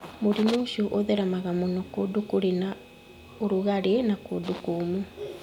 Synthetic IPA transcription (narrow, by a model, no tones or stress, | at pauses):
moɾinoʃuʔoðɛɾamaɣamonɔkodukoɾena | oɾuɣaɾenakoːdukoːmu